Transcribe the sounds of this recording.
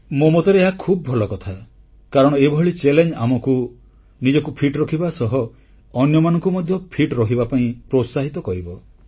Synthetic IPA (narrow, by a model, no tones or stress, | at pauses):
momot̪eɾeeɦakʰubɔbʱɔlɔkɔt̪ʰa | kaɾɔɽ̃ɔebʱɔɭit͡ʃelend͡ʒamɔku | nid͡ʒɔkupʰiʈɾɔkʰibasɔɦɔː | njɔmanɔ̃ŋkumɔd̪ʱjɔpʰiʈɾɔkʰibapaĩpɾosaɦit̪ɔkɔɾibɔ